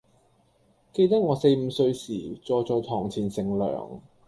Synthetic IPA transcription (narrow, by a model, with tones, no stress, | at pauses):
ke˧jt̪ɐ˥k̚ŋɔː˨˧se˧jm̩ː˨˧sɵ˧ɥsiː˨˩t͡sɔː˨˧jt͡sɔː˨˧jt̪ʰɔː˨˩ŋt͡sʰiː˨˩nsɪ˨˩ŋlœ̰ː˨˩ŋ